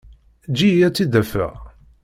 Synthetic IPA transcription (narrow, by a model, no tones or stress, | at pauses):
d͡ʒiæt͡sːid̪æfə̰ʁ